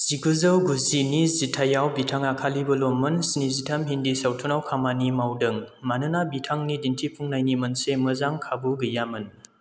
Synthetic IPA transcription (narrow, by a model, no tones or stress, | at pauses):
z̥iɡuzɯwɡuzinizitʰajawbitʰaŋakʰalibɐlomːɯnsnizitʰamɦindisawtʰunawkʰamanimawdɯŋmanɯnabitʰaŋnidintʰipʰuŋnajnimɐnseməzaŋkʰabuɡɯjamɯn